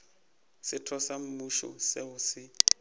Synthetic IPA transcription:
sɪtʰɔsam̩muʃɔ̰seʊsɪ

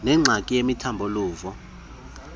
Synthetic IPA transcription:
nɛŋ͡ǀʱakʼijemitʰambʱɔluːvɔ

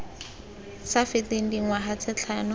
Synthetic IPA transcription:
safɪteŋ̩diŋ̩waɦat͡sʰɪt͡ɬʰanʊ

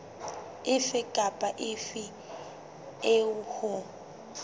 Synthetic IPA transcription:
ɪfɪkʼapʼaʔɪfɪ | eʊhʊ

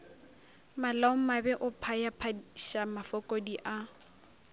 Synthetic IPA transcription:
malaʊmabɛʔʊpʰajapʰaʃamafɔkʼɔdiʔa

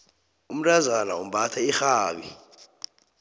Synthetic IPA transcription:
um̩tʼazanaum̩ɓatʰaixaːɓḭ

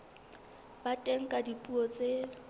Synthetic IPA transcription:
batʼeŋ̩kʼadipʼuɔt͡sʼe

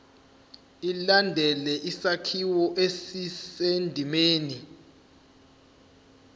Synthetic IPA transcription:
ilandʱɛlɛʔisakʰiwɔʔesisendʱimeːni

